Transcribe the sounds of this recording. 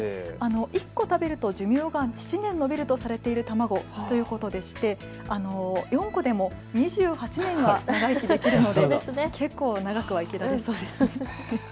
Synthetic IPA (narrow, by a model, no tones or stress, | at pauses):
ano̞ʔikːo̞t̪abe̞ɾɯ̟t̪o̞ʑɨmʲjoːɡat͡ɕi̥t͡ɕinẽ̞nːobʲiɾɯ̟t̪o̞saɾe̞t̪e̞iɾɯ̟t̪amaɡo̞t̪o̞jɯ̟ːko̞t̪o̞d̪e̞ɕi̥t̪e̞ | ano̞jõ̞ŋko̞d̪e̞mo̞ | ɲ̟iʑɨːhat͡ɕinẽ̞ɰ̃βanaɡaikʲid̪e̞kʲiɾɯ̟no̞d̪eeskʰe̞kːo̞ːnaɡakɯ̟βaikʲiɾaesoːd̪esɨ